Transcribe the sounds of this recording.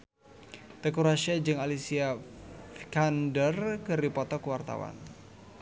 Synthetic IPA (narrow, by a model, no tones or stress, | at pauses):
t̪ekuɾaʃad͡ʒɨŋalisiafkandərkɨɾipɔt̪ɔkwart̪a̰wa̰n